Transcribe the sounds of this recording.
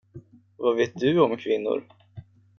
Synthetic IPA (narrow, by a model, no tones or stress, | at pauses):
vaveːt̪̚d̪ɵɔmkʰvɪnːʊ̰ɾ